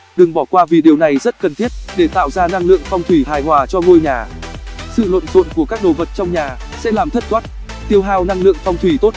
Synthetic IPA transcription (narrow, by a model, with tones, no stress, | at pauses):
ɗɨ˨˩ŋɓɔ˧˩kwaː˧vi˨˩ɗi˨˩əwna˨˩jzə˦˥t̚kə˨˩nt̪ʰi˦˥ət̚ɗe˧˩t̪a̰ː˧˨wzaː˧na˧ŋlɨ̰˧˨əŋfɔ˧wŋ͡mt̪ʰwi˧˩ɦaː˨˩jɦwaː˨˩t͡ɕɔ˧ŋo˧jɲaː˨˩sɨ̰˧˨lwə̰˧˨nzo̰˧˨nku˧˩əkaː˦˥k̚ɗo˨˩və˨˩t̚t͡ɕɔ˧wŋ͡mɲaː˨˩ | sɛ̰˧˥laː˨˩mt̪ʰə˦˥t̚t̪waː˦˥t̚ | t̪i˧əwɦaː˧wna˧ŋlɨ̰˧˨əŋfɔ˧wŋ͡mt̪ʰwi˧˩t̪o˦˥t̚